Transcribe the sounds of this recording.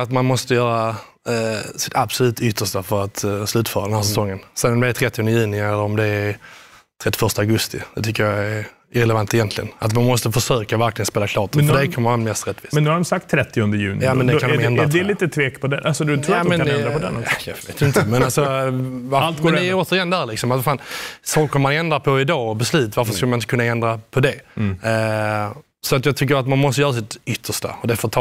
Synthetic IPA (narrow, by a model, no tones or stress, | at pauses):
at̪manmɔst̪əjœːɾa | sɪ̥t̪ʰabsɔlʉ̟ːt̪ʰʏt̪ʰːəʂtafœɾat̪slʉ̟ːt̪fœːɾad̪ɛnhæːs̬ɛsɔŋːənsɛɔmd̪ɛdɛt̪ʰɾɛt̪ːɪɔnd̪əjʉ̟ːnɪɛlːəɾɔmd̪ɛː | t̪ʰɾɛt̪ːɪ̥fœʂtəaɡɵst̪ɪ̰d̪̥ɛt̪ʰʏkːəɾjaæɾ | ɪɾɛlɛvant̪ɛjɛnt̪ʰlɪɡə̰nat̪manmɔst̪əfœʂøːkavæɾklɪɡənspeːlakʰlɑːt̪nfədɛkʰɔmːəɾanmɛst̪ɾɛt̪ːviːsmɛnnʉːhaɾɔmsak̚t̪ʰːɾɛt̪ːɪʊnd̪əjʉ̟ːnɪjaːmɛnd̪ɛkamɛnd̪ɛliːt̪ət̪ʰveːkpʰɔd̪ɛʔasɔd̪ʰmɛnd̪ɛnɾapɔd̪ɛ̰njavḛːt̪jɪɪnt̪mɛnalsɔalt̪ɡɛnd̪ɛoːt̪əɾɪjɛnd̪æːɾlɪksɔmat̪vafaːnsɑːkəmanɛnd̪ɾapʰɔɪd̪ɑːɔbɛslʉ̟ːt̪vaɾfəskʉlmnɪnt̪əkʰɵnːaɛnd̪ɾapʰɔd̪ɛ | sɔat̪jɑːɡt̪ʰʏk̬ːəɾat̪manmɔst̪əjœːɾasɪt̪ʏt̪ʰːəʂta̰ɔd̪ɛfət̪ʰɑ